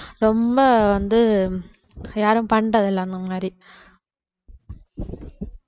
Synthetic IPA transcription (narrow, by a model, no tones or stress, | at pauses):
ɾɔmbɐʋɐnd̪ɯ | jaːɾɯ̃mpɐɳɖɐðɛlːɐnɐmaːɾi